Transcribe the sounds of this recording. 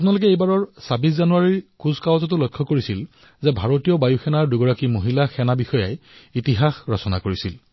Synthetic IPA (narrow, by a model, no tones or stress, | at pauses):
apunalʊk̬ɛejbaɹɔɹsabiszanuaɹiɹkuzkawzɔt̬ʊlojkʰːɔkoɹisil | zɛbʱaɹotijɔbajuxɛnaɹduɡɔɹakimoɦilaxɛnabixɔjajitiɦaxɹɔsɔna̰koɹisil